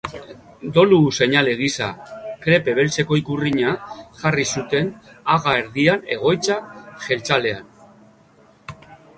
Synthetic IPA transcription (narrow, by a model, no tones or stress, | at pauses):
d̪o̞luse̞ɲale̞ɣ̞isa̰kɾe̞pe̞β̞e̞lt͡seko̞ikuriɲaʝarisut̪e̞naɣae̞ɾðiane̞̰ɣ̞o̞jt͡saxe̞lt͡sale̞an